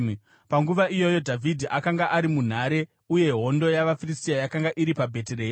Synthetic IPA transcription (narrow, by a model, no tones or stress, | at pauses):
paŋɡuʋaijo̞jo̞dʱavʱidʱiʔakaŋɡaʔaɾimun̤aɾe̞ | uje̞ɦo̞ndo̞jaʋafiristijajakaŋɡaʔiɾipabʱe̞teɾeːj